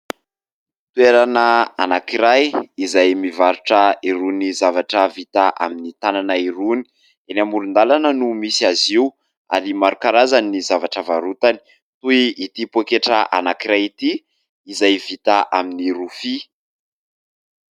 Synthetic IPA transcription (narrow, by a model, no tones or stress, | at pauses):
t̪ueɾanəanakiɾajizajmivaɾuʈ͡ʂəiɾunizavaʈ͡ʂəvit̪aʔa̰minit̪ananaiɾuni̥ | enamuɾund̪alanənumisiaziu | a̰ɾimaɾukaɾazanizavaʈ͡ʂəvaɾut̪ani̥ | t̪uiit̪ipokeʈ͡ʂəʔanakiɾajit̪iː | zajvit̪aʔaminiɾufi